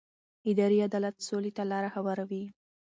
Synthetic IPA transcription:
ɪd̪ɑɾiad̪ɑlat̪solet̪alɑɾaxawaɾawi

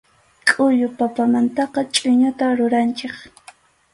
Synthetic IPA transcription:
kʼʊʎʊpapamant̪ɑqɑt͡ʃʼʊɲʊt̪aɾʊɾant͡ʃeχ

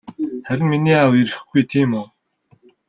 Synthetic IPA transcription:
χæɾʲɪ̆nminiːawiɾɘ̆xɡujt̪ʰiːmʊː

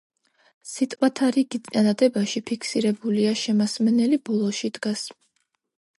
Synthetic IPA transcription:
sit̪ʼwat̪ʰaɾiɡ̥ianad̪ɛbaʃipʰikʰsiɾɛbuliaʃɛmasmɛnɛlibɔlˠɔʃid̪̥ɡas

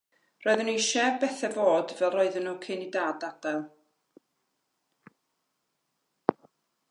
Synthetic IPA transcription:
roɨðəniʃɛvbɛθɛvoːdvɛlˠrɔɨðənukʰɪnidaːdad̥alˠ

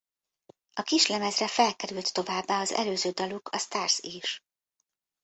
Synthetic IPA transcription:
ɒkiʃlɛmɛzrɛfɛlkɛɾylt̪ːo̞vaːbːaːɒzɛ̰løːzøːd̪ɒlukʰɒst̪aːrsiʃ

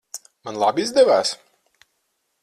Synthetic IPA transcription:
manlˠabizd̪ɛvæːs

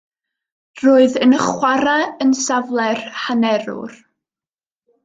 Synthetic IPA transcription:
roːɨðənəχwaɾaənsavlˠɛrhanɛɾʊ̰r

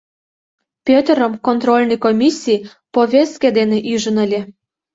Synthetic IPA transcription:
pʲøt̪əɾəmkont̪rolʲnɤjkomʲisʲːij | poβʲest̪̚ked̪eneʔyʒənəlʲe

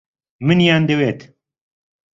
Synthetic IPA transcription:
mɨnjaːnd̪eweːt̪

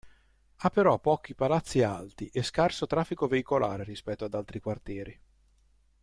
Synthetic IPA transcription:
apːeɾɔpːɔːk̟ipalat̪sːialt̪iʔeskarsot̪ɾafːikoveikola̰ːɾeɾispɛt̪ːoad̪alt̪ɾikwart̪jɛːɾi

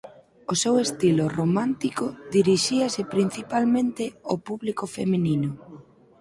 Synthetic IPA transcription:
osewest̪ilʊromãnt̪ikʊðiɾiʃiasɪpɾin̟θipalmẽnt̪ɪopuβlikofemininʊ

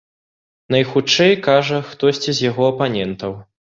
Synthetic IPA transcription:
nɐjxut͡ʂɛjkaʐɐxt̪ɔsʲt͡sʲizʲjaɣɔɐpanʲɛnt̪ɐw

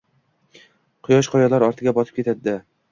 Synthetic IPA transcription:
qʰʊjɒʃqʰɒjɒlˠaɾɒɾt̪ʰɪɡʲabɒsɪ̥p̚kʲet̪ʰad̪ɪd̪a

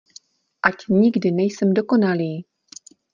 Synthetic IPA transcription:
ʔacɲɪɡdɪnɛjsɛmdoko̞naliː

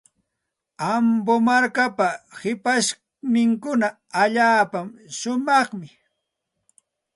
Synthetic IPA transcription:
ambomaɾkapahɪpaʃ | nɪŋkʊnaː | ʎaːpamʃʊmɑχmɪ

